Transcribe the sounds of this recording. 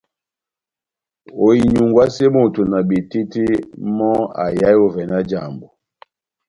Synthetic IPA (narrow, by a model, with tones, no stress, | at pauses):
o˨i˨ɲu˨ŋɡwa˦se˦mo˦˨to˨na˨ɓi˨ti˦ti˦mɔ˦a̰˨ja˦jo˦vɛ˨na˦d͡ʒa˨mbo˨